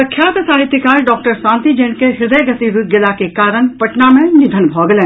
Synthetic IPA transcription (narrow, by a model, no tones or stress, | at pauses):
sɐkʰːjaːt̪ɐsaːɦɪt̪ɪkaːɾɖɔːk̚ʈəɾsãːnt̪id͡ʒeːɳkeɦɪɾd̪əjɡɐt̪iɾut̪̚ɡɪlakekaːɾəɳpɐʈnamẽnɪd̪ʱənbʱɔːɡlẽː